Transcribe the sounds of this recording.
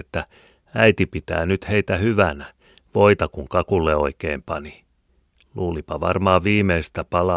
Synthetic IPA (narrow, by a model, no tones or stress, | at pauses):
et̪ːæ | æjt̪ipit̪æ̰ːnyt̪he̞ijt̪æhyʋænæ | ʋo̞it̪ɑkuŋkɑkulːeo̞̰ikḛːmpɑni | luːlipɑʋɑ̰rmɑːʋiːmeist̪æpɑlɑ